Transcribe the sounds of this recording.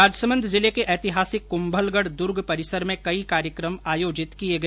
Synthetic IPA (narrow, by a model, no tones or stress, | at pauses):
aːd͡ʒsəmə̃nd̪ʱzɪlekeʔɛːt̪ɪɦaːsɪkːʊ̃mbəlɡəɽd̪ʊɾɡʱpɐɾɪsəɾmẽkɐikaːɾjəkɾəmaːjoːd͡ʒɪt̪kieɡɐ